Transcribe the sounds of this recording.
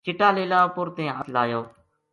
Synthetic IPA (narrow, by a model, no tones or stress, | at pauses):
t͡ʃɪʈaːleːlaːpʊɾt̪ẽːət̪laːjoː